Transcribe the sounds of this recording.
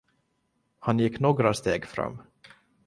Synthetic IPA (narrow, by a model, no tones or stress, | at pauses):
hanjɪkːnoːɡɾast̪eːɡfɾa̰mː